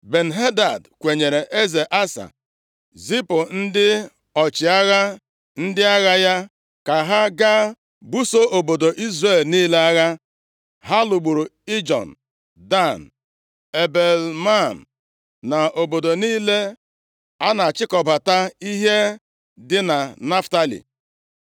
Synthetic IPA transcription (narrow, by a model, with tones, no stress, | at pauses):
be˨n̩˨ɦe˦da˨dkʷe˨ɲe˨ɾe˨ʔe˦ze˨ʔa˦sa̰˨ | zi˦po˨n̩˦dɪ˦ | ɔ˨t͡ʃɪ˨a˦ɣa˦ | n̩˦dɪ˦a˦ɣa˦ja˦ | ka˨ɦa˦ɡa˦ | bu˦so˦ʔo˨bo˨do˨ʔi˦zre˦˨lniː˦le˦a˦ɣa˦ | ɦa˦lʊ˨ɡ͡bu˨ɾu˨i˦d͡ʒɔ̰˨n̩˨ | da˦˨n̩˨ | e˨be˨lma˦˨n̩˨ | na˨ʔo˨bo˨do˨niː˦le˦ | a˦na˨a˨t͡ʃɪ˦kɔ˨ba˨ta˦i˦ɦe˦ | dɪ˦na˨na˦fta˦lḭ˨